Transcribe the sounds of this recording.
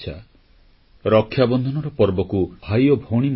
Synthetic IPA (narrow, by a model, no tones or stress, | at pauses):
t͡ʃʰa̰ | ɾɔkʰːjabɔnd̪ʱɔnɔɾɔpɔɾbɔkuajɔbʱoɽ̃im